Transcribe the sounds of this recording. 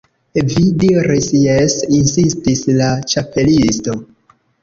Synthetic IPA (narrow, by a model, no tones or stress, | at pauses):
vidiɾisjesinsistislat͡ʃape̞listo̞